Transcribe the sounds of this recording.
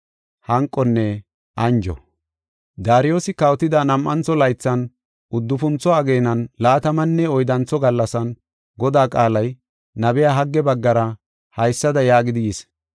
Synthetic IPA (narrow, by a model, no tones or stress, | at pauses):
hɐŋkʼːɔnːɛ | ʔɐnd͡ʒɔ̰ | d̪aːɾɪjoːsɪkɐwt̪ɪd̪ɐnɐmʔɐnt͡sɔlɐjt͡sːɐn | ʊd̪ːʊfʊnt͡sːɔɐɡeːnɐnlaːt̪ɐmɐnːɛɔjd̪ɐnt͡sːɔɡɐlːɐsɐn | ɡɔd̪aːkʼaːlɐj | nɐbɛjaːɦɐɡːɛbɐɡːɐɾɐ | hɐjsːɐd̪ɐjaːɡɪd̪ɪjɪs